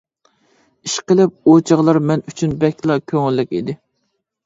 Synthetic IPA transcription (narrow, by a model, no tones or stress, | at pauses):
iʃqəlˠɪp̚ot͡ʃʰɑʁlˠɑɾmɛnyt͡ʃʰynbɛkʲlˠɑkʲʰøŋɪlːɪkʲid̪ɪ